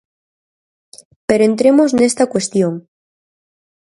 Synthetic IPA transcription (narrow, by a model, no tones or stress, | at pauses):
peɾoent̪ɾemoznest̪akwest̪joŋ